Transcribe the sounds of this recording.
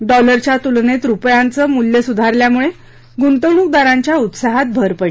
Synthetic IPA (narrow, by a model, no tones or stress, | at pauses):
ɖɔləɾt͡ɕjat̪ulnet̪ɾupjant͡səːmuljəsud̪ʱaɾljamuɭe | ɡunt̪əwɳuːk̚d̪aɾãɲt͡ɕjaut̪saɦat̪̚bʱəɾpəi